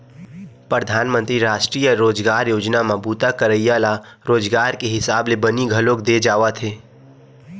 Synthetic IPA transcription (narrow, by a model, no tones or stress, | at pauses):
pɾəd̪ʱaːnmə̃nt̪ɾiɾaːʃʈɾiːjəɾoːd͡ʒɡaːɾjoːd͡ʒnamãbuːt̪akəɾəijaːla | ɾoːd͡ʒɡaːɾkeɦɪsaːblebəniɡʱəlokd̪ed͡ʒaːʋat̪ʰeː